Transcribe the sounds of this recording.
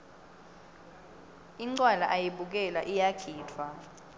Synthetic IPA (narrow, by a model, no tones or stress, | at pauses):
iǀwalaʔajiɓuk̬ɛlaʔijaɡ̥ʱiːtʰwa